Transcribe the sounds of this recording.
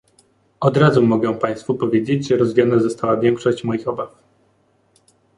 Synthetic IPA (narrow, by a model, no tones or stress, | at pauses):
ɔd̪ɾazumɔɡɛw̃paj̃st̪fupɔvʲjed͡ʑed͡ʑʐɛɾɔzvʲijɔnazɔst̪awavʲjɛŋkʂɔɕt͡ɕmɔjixɔbaf